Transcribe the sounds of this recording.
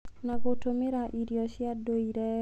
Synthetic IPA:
naɡotomeɾaʔidjɔʃɪadoiɾɛ

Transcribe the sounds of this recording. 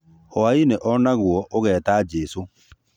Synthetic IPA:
ɔaineʔɔnaɣwɔʔoɣɛːtaːd͡ʒɛso

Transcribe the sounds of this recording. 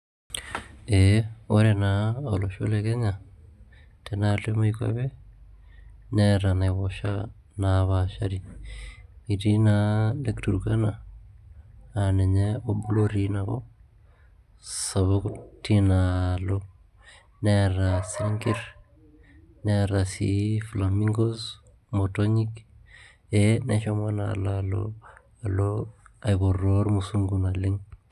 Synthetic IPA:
eoɾenaoloʃo̰lekeɲa | tenalemoika̰βe | neɾanaβoʃa | naβaʃaɾi | itinalektuɾukana | neɲeobuloɾinako̰ | saβoktinalo | neɾasaŋɡiɾ | neɾasḭflamiŋɡos | motoɲik | eneʃomana̰lalo̰ | aloaiβoroɾmusuŋɡunalɪŋ

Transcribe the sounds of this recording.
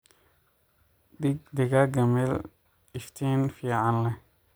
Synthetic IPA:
d̪ɪɡ̚d̪ɪɣɐɡɐmɛl | ɪft̪ʰɛːnfiːʕɑnlɛ

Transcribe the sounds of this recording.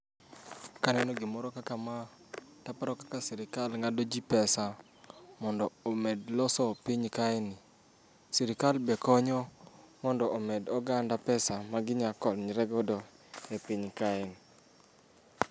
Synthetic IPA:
kanɛnɔɡɪmɔɾɔkakama | tapaɾɔkakasɛɾɪkalŋadod͡ʒipɛsa | mɔndɔomɛdlɔsɔpiɲkaɛnɪ | siɾɪkalbɛkɔɲɔmɔndɔʔomɛdɔɡandapɛsamaɡɪɲakɔlɲɾɛɡɔdɔ | epiɲkaɛn

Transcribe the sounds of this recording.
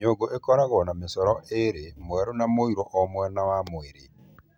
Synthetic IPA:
ɲoɡoʔekɔɾaɣɔnamesɔɾɔʔeɾemwɛɾonamoiɾɔʔɔmwɛnawamoeɾe

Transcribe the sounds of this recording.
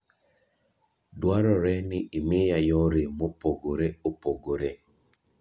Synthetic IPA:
dwaɾɔɾɛnɪʔːmɪjajɔɾemopoɡoɾeopoɡoɾe

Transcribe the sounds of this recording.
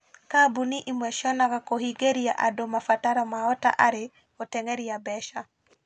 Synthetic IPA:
kabuniʔimwɛʃɔnakakohiɡeɾia̰ʔadomafataɾɔmaɔta̰ʔaɾɪ | ɔtɛŋɛɾiabɛʃa

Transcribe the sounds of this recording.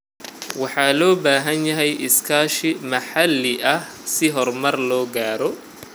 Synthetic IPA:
wɑħɑːlɔːbaːɦɐnjɐɦɛjʔɪskʰaːʃɪmɐħɑlːɪʔɐh | sɪɦɔrmɐrlɔːɡaːɾɔ

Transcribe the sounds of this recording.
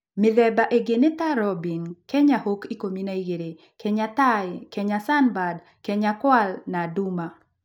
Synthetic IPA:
mɪlɛbaʔeɡenet̪aɾɔbinkɛɲahokikominaiɡeɾe | kɛɲat̪ajkɛɲasanbad | kɛɲakwalnaduma

